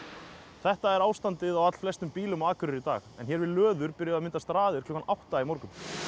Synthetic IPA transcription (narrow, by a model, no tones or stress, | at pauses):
θɛht̪aɛɾaːwst̪ant̪ɪðawat̪l̥flɛst̪ʏmpiːlʏmaːðkʰʏɾɪɾit̪a̰ːxɛ̰nçɛɾvɪðlœːðʏɾpɪɾɪjamɪnt̪ast̪ɾaːðɪɾ̥kʰlʏːkːanawht̪aimɔɾkʏm